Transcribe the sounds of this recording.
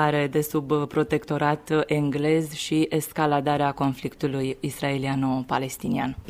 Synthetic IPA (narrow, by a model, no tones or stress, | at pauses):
aɾe̞d̪e̞subpɾo̞t̪e̞kt̪o̞ɾat̪e̞ŋɡle̞zʃiʔeskalad̪aɾeako̞nflikt̪ulujisɾae̞lianopale̞st̪inian